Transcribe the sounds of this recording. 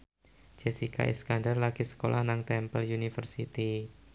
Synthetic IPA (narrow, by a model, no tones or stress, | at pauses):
d͡ʒesika̰ʔɛ̰skandərlakisə̥kolʔahnaŋt̪ɛmpəljunifərsit̪i